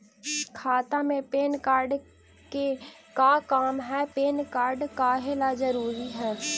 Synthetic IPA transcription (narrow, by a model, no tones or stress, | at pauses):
kʰaːt̪amẽpeːnkaːɾɖ | ke | kakaːmɦɛpeːnkaːɾɖkaɦelad͡ʒəɾuːɾiɦɛː